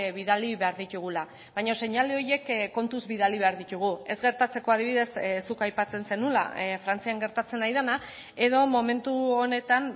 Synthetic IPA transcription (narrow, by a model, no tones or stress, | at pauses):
βiðaliβe̞aɾðit̪uɣ̞ula | βaɲo̞se̞ɲaleo̞je̞kkːo̞nt̪uzβiðaliβe̞aɾðit̪uɣ̞ue̞zɣe̞ɾt̪at͡se̞ko̞að̞iβiðe̞ssːukajpat͡se̞nse̞nula̰fɾant͡siaŋɡe̞ɾt̪at͡se̞najðana | e̞ðo̞mo̞me̞nt̪uo̞ne̞t̪an